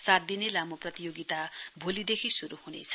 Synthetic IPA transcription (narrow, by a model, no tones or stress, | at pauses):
sat̪̚d̪inelamoprʌt̪ijoɡit̪abʱolid̪ekʰisuɾuhunḛt͡sʰʌ̥